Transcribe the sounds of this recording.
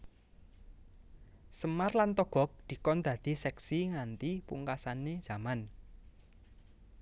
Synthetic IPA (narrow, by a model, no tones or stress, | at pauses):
səmarlant̪ɔɡ̥ɔ̤k̚d̪̥i̤kɔnd̪̥ä̤d̪̥i̤sɛksiŋant̪ipṵŋkasaned̥ʒ̥a̤man